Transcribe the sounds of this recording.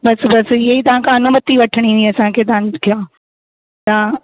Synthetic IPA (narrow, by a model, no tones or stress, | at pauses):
bɐsbɐsiɐit̪ɐʋ̤ãkʰãɐnumət̪ːiʋɐʈʰəɽ̃ĩniɐsãːkʰeːt̪̬ɐãkʰjãː | t̪ã